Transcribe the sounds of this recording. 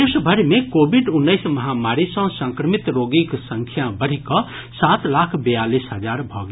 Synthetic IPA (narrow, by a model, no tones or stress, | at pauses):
esbʱəɾmekobiɖunːəɪsməɦamaɾisə̃sə̃ŋkɾəmit̪ɾoɡiksə̃ŋkʰjabəɽ̤ikɔ | sat̪lakʰbəjalisɦəd͡ʒaɾbʱɔ̰ɡ